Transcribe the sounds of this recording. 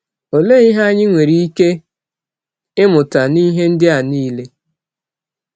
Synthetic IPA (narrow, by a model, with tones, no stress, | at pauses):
o˨le˦i˦ɦa˦ɲɪ˦ŋʷe˨ɾi˨i˦ke˦ | ɪ˦mʊ˨ta˨ni˦ɦe˦n̩˦dɪ˦a˨niː˦le˦